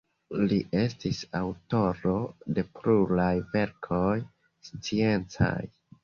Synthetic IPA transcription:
liʔe̞stisawto̞ɾo̞de̞pɾuɾajve̞ɾkʰo̞j | st͡sie̞nt͡sa̰j

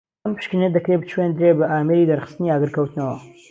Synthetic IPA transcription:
ɐmpʰɨ̥ʃkined̪ɐkɾebt͡ʃʰwend̪ɾebɐʔaːmeɾid̪ɐɾχɨ̥st̪ɨniaːɡɨɾkʰɐwt̪ɨnɐwɐ

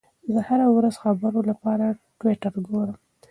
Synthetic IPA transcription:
d̪əhaɾawɾazxabəɾolapɑɾaʈwɪʈaɾɡoɽəm

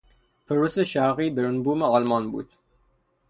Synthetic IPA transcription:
pʰeɾuseʃæɾɣiːbeɾunbuːmeɒlmɒnbṵːd̪̥

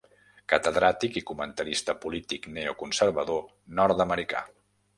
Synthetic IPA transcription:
kət̪əðɾat̪ikikumənt̪əɾist̪əpulit̪ikneukunsəɾβəðo | nɔɾt̪əməɾika̰

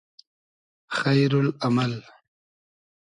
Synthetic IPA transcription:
xajɾʊlamal

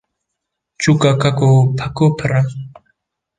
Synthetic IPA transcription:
t͡ʃukakakopʰakopʰəɾa

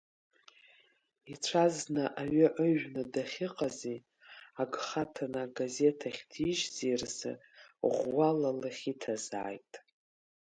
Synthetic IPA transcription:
it͡ʃʷʰaznɨʔaɥɨʔəʒᶣnɨdaχʲɪqʼazi | aɡχatʰanaɡaze̞tʰaχʲdʰiʒzirsɨ̰ | ʁʷwalalaχʲitʰaza̰ːjtʼ

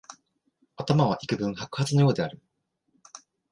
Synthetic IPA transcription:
at̪amaβ̞aʔikɯ̟bɯ̟̃ɰ̃hakɯ̟hat͡sɨno̞jo̞ːd̪e̞aɾɯ̟

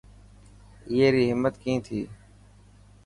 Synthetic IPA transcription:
ɪjeːɾiːɦɪmːət̪kĩːt̪ʰiː

